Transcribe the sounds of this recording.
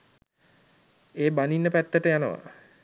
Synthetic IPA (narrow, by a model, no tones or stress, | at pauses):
eːbaninːəpæt̪ːəʈəjanəʋa̰